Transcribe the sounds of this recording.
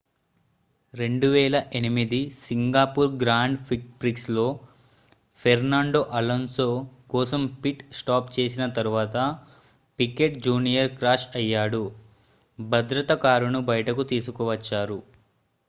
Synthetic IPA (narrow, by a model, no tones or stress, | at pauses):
ɾe̞ɳɖuʋɛːlɐʔe̞nimid̪isiŋɡaːpuːɾɡɾaːɳɖpʰikpɾikslo̞ː | pʰeɾnaːɳɖo̞ʔɐlɐnsoːkɔːsɐmpiʈsʈaːpt͡ʃe̞ːsinɐt̪ɐɾuʋaːt̪ɐ | pike̞ʈd͡ʒuːnijɐɾkɾaːʃɐjːaːɽu | bʱɐd̪ɾɐt̪ɐkaːɾunubɐjɐʈɐkut̪iːsukɔʋɐt͡ʃːaːɾu